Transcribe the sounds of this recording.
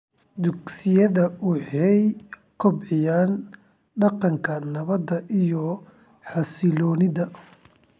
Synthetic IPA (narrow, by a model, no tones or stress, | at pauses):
d̪ʊɡsɪjɐðɐwʊħɛj | kʰɔbʕɪjaːn | ɖɑqɑŋkʰɐnɐβɐd̪ɐʔijɔ | ħɑsɪlɔːnɪðɐ